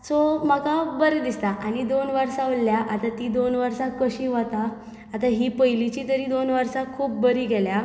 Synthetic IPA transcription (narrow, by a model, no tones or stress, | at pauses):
som̤əkabəɾd̪ist̪aʔañid̪onʋəɾsaolljaʔat̪at̪iːd̪onʋəɾsãkəɕiːʋət̪aː | t̪aɦipəjlit͡ɕiːt̪əɾiːd̪onʋəɾsakʰuːp̚bəɾiːɡʱɛlja